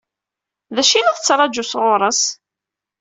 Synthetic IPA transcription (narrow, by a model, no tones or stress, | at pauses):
ðæʃinæθət͡sːɾˤɑd͡ʒʊsʁʊɾˤəs